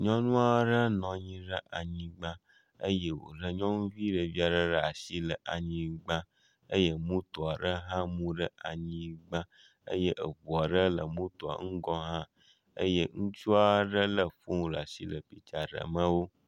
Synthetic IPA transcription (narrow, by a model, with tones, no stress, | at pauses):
ɲɔ̃˦nũ˦a˦ɖə˦nɔ̃˨ɲĩ˦ɖə˦ʔa˨ɲĩ˨ɡ͡bã˦ | ə̰˦je˦wo̰˨ɖə˦ɲɔ̃˦nũ˦vi˦ɖə˨vi˦a˨ɖə˦ɖə˦a˨si˦lə˨ʔa˨ɲĩ˦ɡ͡bã˦ | ə˦je˦mũ˦t̪o˨a˨ɖə˦ɦã˦mũ˦ɖə˦a˨ɲĩ˦ɡ͡bã˦ | ə̰˦je˦ʔə˨vo˨a˨ɖə˦lə˨mũ˦t̪o˨a̰˨ŋ̩˦ɡɔ˦ɦã˦ | ə̰˦je˦ŋũ˦t͡ʃu˦a˦ɖə˦lə˨fũ˦˨la˨si˦lə˨pi˦t͡ʃa˨ɖə̰˨mə̃˦wo˦